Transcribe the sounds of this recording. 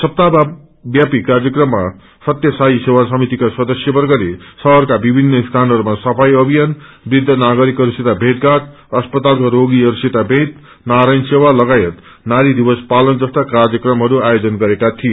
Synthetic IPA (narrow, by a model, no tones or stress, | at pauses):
sʌp̚t̪a | bjapikard͡zjʌkrʌmːa | sʌt̪jʌsaisewasʌmit̪ikaswʌd̪ʌsjʌbʌrɡʌɾesʌɦʌrkabibʱinːʌist̪ʰanɦʌɾumasʌpʰajʌbʱijanbrid̪ʱːʌnaɡʌɾikɦʌɾuset̪abʱẽt̪̚ɡat̪̚ | ʌspʌt̪alkoɾoɡiɦʌɾuset̪abʱẽt̪ | naɾajnsewalʌɡajet̪ | naɾid̪ibʌspalʌnd͡zʌst̪akard͡zjʌkrʌmɦʌɾuajod͡zʌnɡʌɾekat̪ʰije